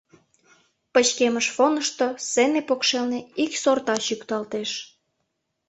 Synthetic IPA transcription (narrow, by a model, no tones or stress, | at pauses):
pət͡ɕkeməʃfonəʃt̪osenepokʃelneiksort̪ɑɕykt̪ɑlt̪eʃ